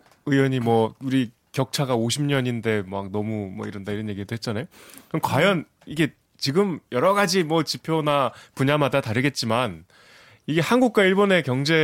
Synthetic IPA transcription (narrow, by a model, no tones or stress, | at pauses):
ɯjʌɲimwʌuɾi | kjʌk̚t͡ɕʰaɡaoɕʰimɲʌɲinde̞mak̚nʌmumʌ̰iɾʌndaiɾʌnjeɡidoɦet̚t͡ɕ͈anajokɯnkwajʌn | iɡe̞ | t͡ɕiɡɯmjʌɾʌɡad͡ʑimwʌt͡ɕipʰjonapuɲamadataɾɯɡe̞t̚t͡ɕ͈iman | iɡe̞hanɡuk̚k͈waiɭbone̞kjʌŋd͡ʑe̞